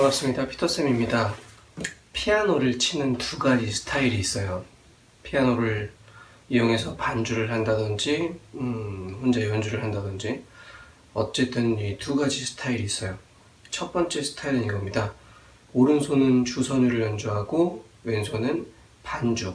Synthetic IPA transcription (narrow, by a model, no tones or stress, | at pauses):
kmas͈ɯmɲidapʰi̥tʰʌs͈emimɲida | pʰianoɾɯɭt͡ɕʰinɯntuɡad͡ʑisʰɯ̥tʰaiɾiːs͈ʌjo | pʰianoɾɯɭ | ijoŋe̞sʰʌpand͡ʑuɾɯɭhandadɯnd͡ʑi | hond͡ʑejʌnd͡ʑuɾɯɭɦandadɯnd͡ʑi | ʌt͡ɕ͈e̞t͈ɯnituɡad͡ʑisʰɯ̥tʰaiɾiːs͈ʌjo | t͡ɕʰʌp͈ʌnt͡ɕ͈e̞sʰɯ̥tʰaiɾɯɲiɡʌmɲida | oɾɯnsʰonɯnt͡ɕusʰʌɲuɾɯɭjʌnd͡ʑuɦaɡo | we̞nsʰonɯn | pand͡ʑu